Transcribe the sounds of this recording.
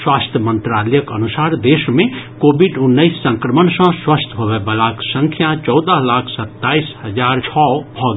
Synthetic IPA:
swast̪ʰjəmənt̪ɾalɛjəkənusaɾd̪esmẽkobʱiɖunːəisːə̃ŋkɾəmənsə̃swəst̪ʰbʱobebəlaksə̃ŋkʰjat͡ʃɔwd̪əɦlakʰsət̪ːaisɦəd͡ʒaɾt͡ʃʰɔbʱɔɡ

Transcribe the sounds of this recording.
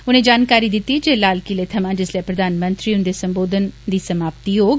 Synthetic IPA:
ʊnẽːd͡ʒaːnkaːɾid̪ɪt̪ːid͡ʒeːlaːlkilet̪ʰɐmãːd͡ʒɪsliepɾəd̪ʱaːnmə̃nt̪ɾiʊnd̪esə̃mboːd̪ʱənd̪iːsəmaːpt̪iɦoːɡ

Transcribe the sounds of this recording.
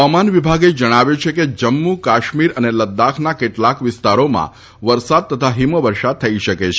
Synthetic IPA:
amanʋibʱaɡed͡ʒəɽ̃aʋjet͡ʃʰeked͡ʒəmːukaʃmiɾəneləd̪ːakʰnakeʈlakʋɪst̪aɾomã̰ | ʋəɾsad̪̚t̪ːət̪ʰaɦiməʋəɾʃad̪̚t̪ʰəiʃəket͡ʃʰ

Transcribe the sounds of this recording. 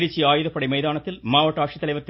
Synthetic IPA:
ɾit͡ɕːiaːjuðɐpːɐɽimejðaːɳɐt̪ːilmaːʋɐʈːaːkʂit̪ːɐlɐjʋɐt̪ː

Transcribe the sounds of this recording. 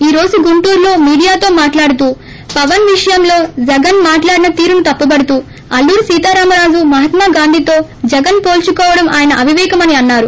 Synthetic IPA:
iːɾo̞ːd͡ʒuɡuɳʈuːɾlo̞ːmiːɽijaːt̪o̞ːmaːʈlaːɽut̪uː | pɐʋɐnʋiʂɐjɐmlo̞ːd͡ʒɛɡɐnmaːʈlaːɽinɐt̪iːɾunut̪ɐpːubɐɽut̪uː | ɐlːuːɾsiːt̪aːɾaːmɐɾaːd͡ʒumɐɦɐt̪maːɡaːnd̪ʱit̪o̞ːd͡ʒɛɡɐnpo̞ːlt͡ʃukɔːʋɐɽɐma̰ːjɐnɐʔɐʋʱiʋɛːkɐmɐniɐnːaːɾu

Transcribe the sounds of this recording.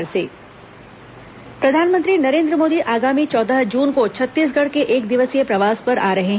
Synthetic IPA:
ɾseː | pɾɐd̪ʱaːnmə̃nt̪ɾinɐɾẽːnd̪ɾəmoːd̪iʔaːɡaːmit͡ʃɔːd̪əɦd͡ʒuːnkot͡ʃʰɐt̪ːiːs̬ɡɐɽ̤keʔeːk̚d̪ɪʋəsijepɾɐʋaːspɐɾaːɾɐɦeɦ

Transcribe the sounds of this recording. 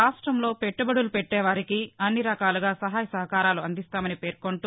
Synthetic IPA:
aːʂʈɾɐmlo̞ːpeʈːubɐɽulupeʈːɛːʋaːɾikiɐnːiɾɐkaːluɡaːsɐɦaːjɐsɐɦɐkaːɾaːluɐnd̪ist̪aːmɐnipe̞ːɾkoɳʈu

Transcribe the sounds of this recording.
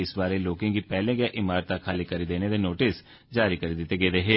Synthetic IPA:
ɪsbaːɾeːloːkɪ̃ŋɡiːpɛːlẽːɡɪaːʔɪmaːɾt̪aːkʰaːliːkəɾiːd̪eːneːd̪eːnoːʈɪs | d͡ʒaːɾiːkəɾiːd̪ɪt̪ːeːɡeːd̪eːɦeː

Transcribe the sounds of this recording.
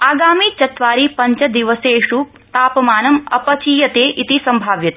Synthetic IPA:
aːɡaːmit͡ʃɐt̪ʋaːɾipɐɲt͡ʃɐd̪iʋɐseːʂu | t̪aːpɐmaːnɐmɐ̰pɐt͡ʃiːjɐt̪eːʔit̪isɐmbʱaːʋjɐt̪

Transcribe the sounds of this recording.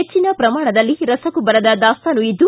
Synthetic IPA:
et͡ʃːinɐpɾɐmaːɳɐd̪ɐlːiɾɐsɐkubɐɾɐd̪ɐd̪aːst̪ɐnuid̪ːu

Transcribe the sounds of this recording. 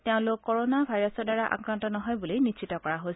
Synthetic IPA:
teʊ̃lʊkkːɔɹonabʱajɹɔsɔdaɹaʔa̰kɹantɔnɔɦɔjbulijnit͡ʃitɔkɔɹaɦojs

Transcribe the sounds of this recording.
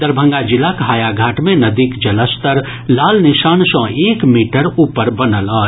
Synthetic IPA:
d̪əɾbʱə̃ŋɡad͡ʒɪlːakɦaːjaɡʱaːʈmẽnɐd̪ikd͡ʒɐləst̪əɾ | laːlnɪʃaːnsɔ̃eːkmiːʈəɾuːpəɾbɐnəlɔː

